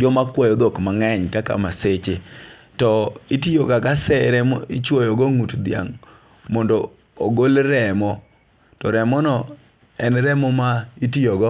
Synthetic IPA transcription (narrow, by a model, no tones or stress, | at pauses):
d͡ʒɔmakwɔjɔd̪okmaŋɛɲkaka̰maset͡ʃe | tɔitijokakasɛɾɛɪt͡ʃwojɔɡɔŋutd̪ɪja̰ŋ | mɔndɔː | ɡolɾɛmɔ | tɔɾɛmɔnɔ | ɛnɾɛmɔmaitijoɡɔ